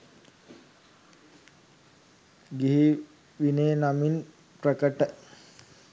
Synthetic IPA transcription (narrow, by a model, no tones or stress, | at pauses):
ɡiɦi | ʋineːnamin | pɾəkəʈə